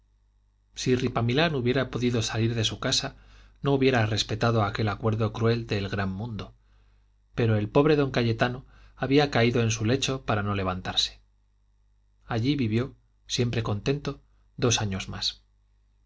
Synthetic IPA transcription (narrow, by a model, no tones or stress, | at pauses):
siripamilanuβje̞ɾapo̞ðiðo̞saliɾðe̞sukasano̞uβje̞ɾare̞spe̞t̪aðo̞ake̞lakwe̞ɾðo̞kɾue̞ld̪e̞lɣɾamːũnd̪o̞ | pe̞ɾo̞e̞lpo̞βɾe̞ðo̞ŋkaʎe̞t̪ano | aβiakaiðo̞e̞ns̬ule̞t͡ʃo̞paɾano̞le̞β̞ant̪aɾse̥ | aʎiβiβjo | sje̞mpɾe̞ko̞nt̪e̞nt̪o̞ | ðo̞saɲo̞zma̰s